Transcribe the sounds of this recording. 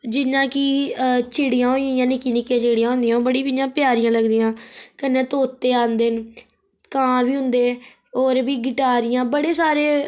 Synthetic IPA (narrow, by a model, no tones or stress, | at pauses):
d͡ʒɪnãːkiːt͡ʃɪːɽijãːɦoːijãːjãːnɪkiːnɪkijãːt͡ʃiːɽijãːɦʊ̃ːnd̪ijãːoːbəɽiːpiãːpjaːɾɪjãːləɡd̪ijãːkənːeːt̪oːt̪ːeːãːnd̪eːn | kãːʋiːɦʊ̃nd̪eːoːɾbiːɡɪʈaːɾɪjãːbəɽeːsaːɾeː